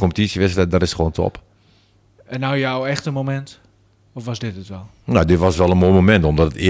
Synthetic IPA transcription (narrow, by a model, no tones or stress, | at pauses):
kɔmpətisjəʋɪsɛdarɪsxʋoːntʰɔ̰p | ɛnawjawɛxtəmomɛnt | ɔfʋɔsdɪtətʋɛlˠ | nawdɪtʋɔsʋɛlˠənmoːjmomɛntɔmdɔtətɪ